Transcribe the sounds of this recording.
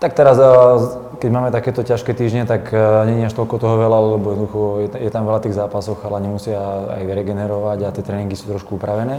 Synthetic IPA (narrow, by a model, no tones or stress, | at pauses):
t̪ak̚t̪ɛɾaz | kɛɟmaːmɛt̪akɛːt̪ɔcaʃkɛt̪iːʒɲɛt̪akɲɛɲiaʃt̪ɔlkɔt̪ɔɦɔʋɛlalɛlɛbɔjɛd̪nɔd̪uxɔjɛjɛt̪amʋɛlat̪iːɣzaːpasɔɣalɛɲɛmusɪaa̰jɾɛɡɛnɛɾɔʋaɟat̪ɪɛt̪ɾɛːniŋɡisuːt̪ɾɔʃkuupɾaʋɛnɛː